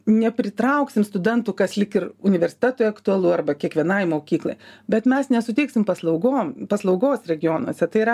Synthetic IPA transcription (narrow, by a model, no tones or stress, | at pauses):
nʲɛpʲɾʲɪt̪ɾɐʊksʲɪmst̪ʊd̪ʲɛnt̪ʊkɐslʲɪkɪrʊnʲɪʋʲɛɾʲsʲɪ̥t̪ʲæt̪ʊːjɐkt̪ʊɐlˠuːɐrbɐkʲiɛkʋʲiɛnɐɪmoːkʲiːklˠɐ̰ɪbʲɛt̪mʲɛsnʲɛsʊt̪ʲɛɪksʲɪmpɐslˠɐʊɡoːmpɐslˠɐʊɡoːsɾʲɛɡʲɪjoːnuɔːsʲɛt̪ɐɪɪɾɐ